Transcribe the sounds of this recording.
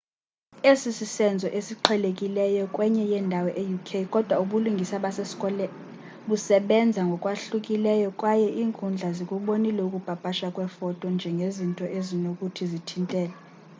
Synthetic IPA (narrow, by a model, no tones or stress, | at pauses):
esisisɛnd͡zʱɔʔesiǃʰɛlekʼilɛjɔkʼwɛɲɛjɛndʱawɔʔejukʰejkʼɔd̥ʱwauɓuluŋɡʱisaɓaseskʼɔlɛ | ɓusɛɓɛnd͡zʱaŋɡʱɔkʼwaɬukʼilɛjɔkʼwajɛʔiːŋkʰʼund͡ɮʱazikʼuɓonilɛukʼub̥ʱab̥ʱaʃakʼwɛfɔtʼɔnd͡ʒʱɛŋɡʱezintʼɔʔezinokʼutʰizitʰintʼɛːlɛ